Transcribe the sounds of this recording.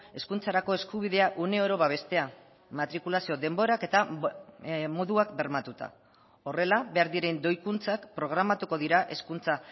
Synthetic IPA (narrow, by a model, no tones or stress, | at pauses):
e̞skunt͡saɾako̞e̞skuβ̞ið̞e̞aʔune̞oɾo̞βaβ̞e̞st̪e̞a | mat̪ɾikulasio̞ðe̞mbo̞ɾake̞t̪a | mo̞ðuakbe̞ɾmat̪ut̪a̰ | o̞re̞laβe̞aɾðiɾe̞nd̪o̞jkunt͡sakpɾo̞ɣ̞ɾamat̪uko̞ðiɾaʔe̞skunt͡sa